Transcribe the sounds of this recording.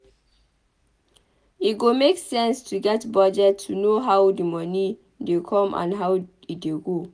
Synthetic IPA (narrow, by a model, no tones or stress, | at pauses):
itɡomeksɛ̃nstʰuɡɛtbɔd͡ʒɛtʰːunoɦawdimɔni | dekʰɔ̃mʔã̰nɦaw | it̚deɡo